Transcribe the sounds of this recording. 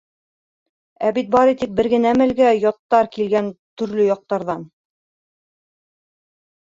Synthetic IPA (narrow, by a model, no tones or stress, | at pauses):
æbit̪̚bɑɾit̪ik̚bɘ̆ɾɡɘ̆næmɘ̆lɡæjɒt̪ːɑɾkilɡænt̪ɵ̆ɾlɵjɑq̚t̪ɑɾðɑn